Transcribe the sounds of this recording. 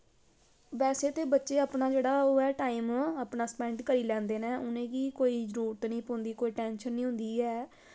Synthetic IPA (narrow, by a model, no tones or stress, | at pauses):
ʋɛːseːt̪eːbətːʃeːəpnaːd͡ʒeːɽaːoːɛːʈaːiːmaːpnaːspɛ̃ːɳɖkəɾiːlɛ̃ːnd̪eːnɛ̃ːʔʊnẽːɡiːkoːiːd͡ʒəɾuːɾt̪nĩːpːnd̪iːkoːiːʈɛ̃ːnʃənːĩːɦʊ̃nd̪iːɛː